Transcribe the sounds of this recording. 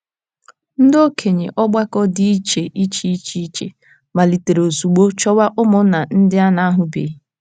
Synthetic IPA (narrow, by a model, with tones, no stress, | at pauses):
n̩˦do˦kʰe˨ɲe˨ʔɔ˦ɡ͡ba˦kɔ˦dɪ˦i˦t͡ʃe˨ʔi˦t͡ʃi˦i˦t͡ʃi˦i˦t͡ʃḛ˨ | ma˨li˨te˨ɾe˨o˨su˨ɡ͡bo˦t͡ʃɔ˦wa˦ʔʊ˦mʊ˦na˨n̩˦dɪ˦a˦na˦a˦ɦʊ˨bḛ˨˦